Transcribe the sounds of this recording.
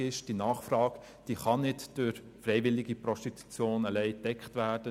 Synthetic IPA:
ɪʃd̥inɑːχfrɑːɡ | d̥iːχɑnɪtd̥ʊɾ | fɾɛɪʋɪlɪɡipɾɔʃtitʰu̥t͡sjoːnəlɛɪd̥ɛkχtʋæːd̥ə

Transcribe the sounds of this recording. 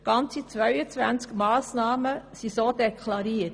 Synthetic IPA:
ɡ̥ɑnt͡sit͡sʋœɥət͡sʋæ̰nt͡skmɑːsnɑːməsisoːdɛkʰlɑɾiːət

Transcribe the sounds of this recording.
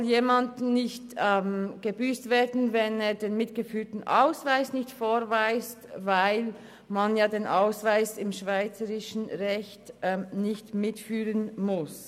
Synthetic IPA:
ɔljeːmandnɪçtːmɡ̥əbyːstv̥eːdn̩vɛneːdeːnmɪtɡ̥əfyːtn̩ʔa̰ʊsvaɪsnɪçtfoːɾvaɪstvaɪl | manjaːdeːnʔaʊsv̥aɪsɪmʃv̥aɪt͡səɾɪʃn̩ʁɛçtːnɪçtmɪtfyːʁənmʊs

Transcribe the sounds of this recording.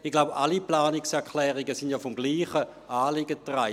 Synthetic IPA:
iɡ̥laʊbʔaliplaːnɪksɛɐkʰlɛːʁiɡəsɪndjafɔmɡliːχəʔaːlɪɡətʁa

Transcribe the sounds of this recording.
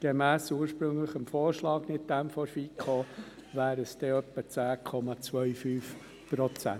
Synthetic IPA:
ɡ̥ɛmæːsuːəɾʃpɾɵŋləχəmfoːɾʃlɑːɡnɪt̚d̥̪æmfɔɾfikʰo | væːɾəsd̥̪ɛœpːət͡sæːkʰɔmɑt͡sʋœɥfyːf | pɾɔt͡sæ̰n

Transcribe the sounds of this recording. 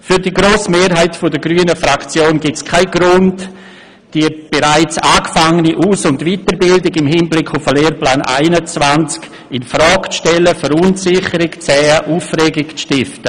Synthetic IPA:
fyɾdiːɡɾoːsmeːɾɦaɪtfɔdəɡɾyːənəfɾakt͡sjoːnɡɪtskʰaɪɡɾʊnt | d̥iəb̥eɾaɪt͡saːkfaŋəniʔuːsʊndvitəɾbɪldɪɡɪmɦɪnblɪkʰʊfəleːɾplaːnʔa̰ɪnət͡svant͡sk | ɪnfɾɔːkt͡sʃtɛləfəɾunsɪχəɾɪkt͡sɛːəʔuːfrɛːɡɪkt͡sʃtɪftə

